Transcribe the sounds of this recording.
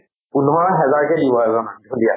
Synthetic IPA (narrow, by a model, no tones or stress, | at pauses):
punɦɔɹɦɛzaɹkɛdibɔɛzɔnaɔdija